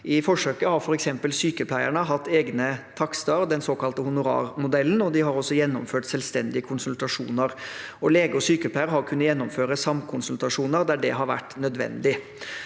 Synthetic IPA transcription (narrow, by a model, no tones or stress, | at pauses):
ɪfɔʂøːkəhɑɾfɔɾɛksɛmpəlsyːkəpʰlæɪəɳəɦɑt̪ːeːɡnət̪ʰɑkst̪ɑɾd̪ɛnsoːkɑlt̪əhʊnʊɾɑ̰ːɾmʊd̪ɛlːənɔd̪ɪɦɑɾɔsːɔjɛnːʊmføːʈsɛlst̪ɛnd̪ɪəkʰʊnsʉlt̪ɑʂṵːnəɾɔleːɡəɔsyːkəpʰlæɪəɾɦɑɾkʰʉnːəjɛnːɔmføːɾəsɑmkʰʊnsʉlt̪ɑʂuːnəɾd̪æɖɛɦɑɾʋæ̰ʈːnœd̪ʋɛ̰nd̪ɪ